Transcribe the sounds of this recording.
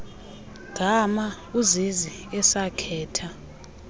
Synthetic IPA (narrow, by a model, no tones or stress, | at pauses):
ɡ̥ʱama | uzizi | ɛsakʰɛːtʰa